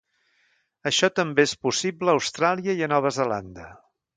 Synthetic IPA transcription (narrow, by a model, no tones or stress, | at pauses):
əʃɔt̪əmbeespusibləːwst̪ɾalˠiəiənɔβ̞əzəla̰nd̪ə